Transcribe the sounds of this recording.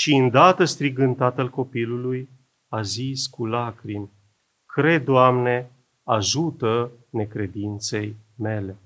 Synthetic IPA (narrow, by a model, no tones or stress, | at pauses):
ʃiɨnd̪at̪əst̪ɾiɡɨnt̪at̪alko̞piluluj | aziskulakɾim | kɾe̞d̪ːoamne̞ | aʒut̪ə | ne̞kɾe̞d̪int̪se̞jme̞le̞